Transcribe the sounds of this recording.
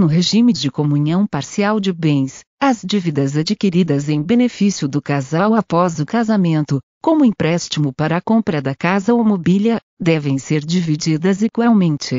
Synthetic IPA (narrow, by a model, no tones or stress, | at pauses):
nʊɦeʒimɪd͡ʒɪkomũɲɐ̃w̃paɾsiawd͡ʒɪbẽj̃s | ɐzd͡ʒivid̪ɐzad͡ʒikiɾid̪ɐzẽj̃benefisiʊd̪ʊkazawapɔzʊkazamẽnt̪ʊ | kõmʊĩpɾɛst͡ʃimʊpaɾɐːkõpɾɐd̪ɐkazɐomobiljɐ | d̪ɛvẽj̃seɾd͡ʒivid͡ʒid̪ɐziɡwawmẽnt͡ʃɪ